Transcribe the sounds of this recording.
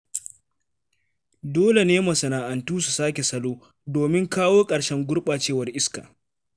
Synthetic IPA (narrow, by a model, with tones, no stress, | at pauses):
doː˦le˨neː˦mɐ˨sɐ˨naː˨ʔa˨ntuː˦su˨saː˦kʲe˨sɐ˦loː˦ | doː˨mɪ˦ŋkaː˦woː˦kʼɐ˨ɽʃɛ˦ŋɡʷʊ˦ɽɓaː˨t͡ʃeː˦wɐ˨rʔɪ˦ska̰ː˨